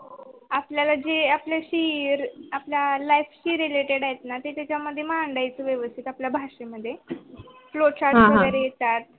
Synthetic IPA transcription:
apljalad͡ʑeapljaɕiɾapljalajfɕiɾːileʈeɽajet̪nat̪et̪jat͡ɕjaməd̪ʱːjemaəɳɖajt͡səʋjeʋəst̪ʰit̪apljabʱaʂeməd̪ʱːjeflot͡ɕaɾɦəɡəɾejet̪at̪̚

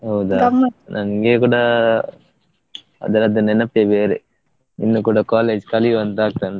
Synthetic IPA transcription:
ɦɐwud̪amɐnʔɐŋɡeːkuːɽɐ | ɐ̰d̪ɐɾɐd̪ɐnːɛnɐp̚ʈ̪eːbeːɾe | inːukuːɽɐkaːleːd͡ʒkɐliuɐnt̪aːk̚t̪ɐn

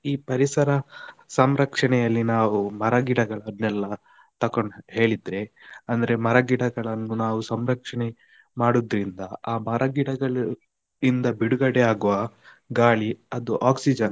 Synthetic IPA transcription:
iːpɐɾisɐɾɐsɐmɾɐkʂɐɳɛjɐlːinaːʋumɐɾɐɡiɽɐɡɐɭɐnːɛlːɐ | t̪ɐkoɳɖɦe̞ːɭid̪ɾe̞ɐnd̪ɐɾe̞mɐɾɐɡiɽɐɡɐɭɐnːunaːʋusɐmɾɐkʂɐɳe | maːɽud̪ɾind̪ɐaːmɐɾʔɐɡiɽɐɡɐɭ | ind̪ɐbiɽuɡɐɽeaːɡuʋɐ | ɡaːɭiɐd̪uʔaːksid͡ʒɐn

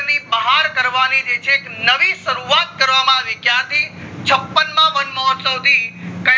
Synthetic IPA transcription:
nibəɦaɾkəɾʋanid͡ʒet͡ʃʰeːknəʋiʃəɾuat̪̚kəɾʋamãaʋikjãt̪ʰit͡ʃʰəpːənmãʋənmɔt̪səwd̪ʱikə

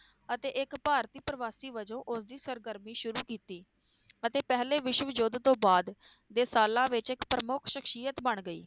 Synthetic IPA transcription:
ət̪eːʔɪkpaːɾt̪iːpɾəʋaːsiːʋəd͡ʒõːʔʊsd̪iːsəɾɡəɾmiːʃʊɾuːkiːt̪iː | ət̪eːpɛɦleːʋɪʃəʋəd͡ʒʊd̪t̪õːbaːd̪ | d̪eːsaːlãːʋɪt͡ʃɪkpɾəmʊkʰʃɪkʰʃiːət̪bəɳɡəḭː

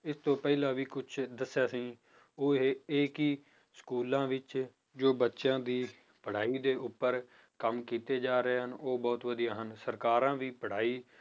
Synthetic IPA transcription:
ɪst̪õːpɛːilãːʋiːkʊt͡ʃʰd̪əsːjaːsĩː | oːeeːkiː | skuːlãːʋɪt͡ʃ | d͡ʒoːbətːʃãːd̪iː | pəɽ̤aːiːd̪eːʔʊpːəɾ | kəmkiːt̪eːd͡ʒaːɾəeːɦənoːbɔːt̪ʋəd̪ijaːɦənsəɾkaːɾãːʋiːpəɽ̤aːiː

